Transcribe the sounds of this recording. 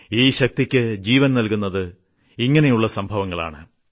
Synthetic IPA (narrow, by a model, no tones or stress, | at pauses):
iːɕɐk̚t̪ikʲːɨd͡ʑiːʋɐnnɐlkunːɐðɨ | iŋːɐnejuɭːɐsɐmbʱɐʋɐŋːɐɭa̰ːɳɨ